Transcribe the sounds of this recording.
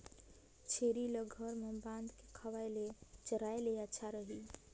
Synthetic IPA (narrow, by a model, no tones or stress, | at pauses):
t͡ʃʰeɾileɡʱəɾmebãnd̪ke̥kʰəʋajlet͡ʃəɾajleətːʃʰaɾəɦi